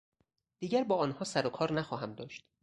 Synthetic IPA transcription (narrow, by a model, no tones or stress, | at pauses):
d̪̥iːɟæɾbɒːɒːnhɒːsæɾokʰɒːɾnæxɒːɦæmd̪ɒːʃt̪